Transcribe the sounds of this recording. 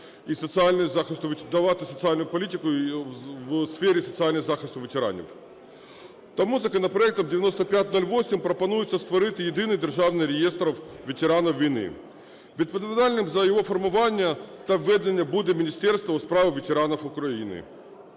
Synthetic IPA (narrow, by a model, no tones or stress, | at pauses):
isət̪sɨalʲnʊjzaxʲɪst̪vʲd̪ɐvat̪ʊsət̪sɨalʲnʊjʊpɐlʲit̬ʲɪkʊ | vsfʲeɾʲɪsət̪sɨalʲnɨzaxɪsʲt̪vʲɪtʲɪɾa̰nʲɪ̰f | t̪ɐmuzəkənəpɾɐɛk̚t̪əmdʲɪvʲɪno̞st̪əpʲæt̚ʲno̞lʲvosʲɪmʲpɾəpɐnujɪt̪səst̪vɐɾɨt̪ɨjɪd̪ɨnɨjd̪ʲɪrʐavnɨjɾʲɪjest̪ɾəfvʲɪtʲɪɾanəfvʲɪjnɨ̰ | pɾʲɪt̪̚pəd̪vd̪alʲnɨmzəjɪvo̞fərmɐvanʲɪjət̪avɛd̪ʲɪnʲɪəbud̪ʲɪmʲɪnʲɪsʲtʲe̞rst̪vəʊspɾavɨvʲɪtʲɪɾanəfʊkɾɐinɨ̰